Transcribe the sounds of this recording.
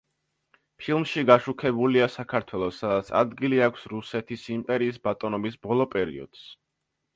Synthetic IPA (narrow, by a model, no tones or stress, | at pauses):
pʰilˠmʃiɡaʃukʰɛbuliasakʰaɾt̪ʰwɛlˠɔsad̪at̪sʰa̰d̪ɡiliakʷʰsɾusɛt̪ʰisimpʼɛɾiːsbat̪ʼɔnɔbisbɔlˠɔpʼɛɾḭɔ̰d̪̥s